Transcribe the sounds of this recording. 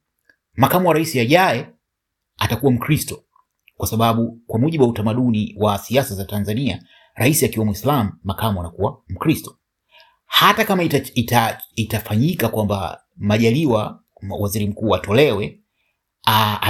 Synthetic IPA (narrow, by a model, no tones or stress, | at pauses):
makamuwaɾaisiaʄajɛ | atakuwam̩kɾistɔ | kwasaɓaɓukwamuʄiɓuwautamaɗuniwasiasazatanzania | ɾaisiakiwamuislamuːakamuanakuwam̩kɾistɔ̥ | hatakamaiaitafaɲikakwamba̰ | maʄaliwa | waziɾim̩kuːatɔlɛwɛ